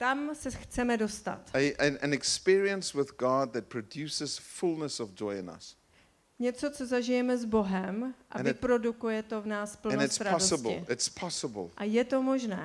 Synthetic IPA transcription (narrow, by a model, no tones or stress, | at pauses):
t̪amsɛxt͡sɛmɛdo̞st̪a̰t̪ɨ̃nɛkspiɹiə̃nswɪðɡɔd̪̚ðɨt̚pʰɹ̥ɨdjʉsəz̥fulˠnəsɔvd͡ʒɔɪɪ̰̃nʌ̰s | ɲɛt͡so̞t͡so̞zaʒɪjɛmɛzbo̞ɦɛmʔa̰vɪpɾo̞dukujɛt̪o̞vnaːspl̩̃nonstsɾadosəblɪ̰ɪtspʰɔsəbəl̩ˠʔajɛt̪o̞mo̞ʒnɛː